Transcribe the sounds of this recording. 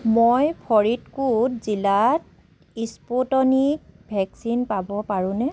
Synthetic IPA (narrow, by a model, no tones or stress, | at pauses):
mojpʰɔɹitkutzilat̚ | ispotɔnik̚bʱɛksinpabɔpaɹũnɛ